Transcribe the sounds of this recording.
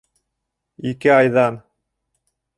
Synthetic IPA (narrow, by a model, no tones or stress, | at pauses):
ikɘɑjðɑn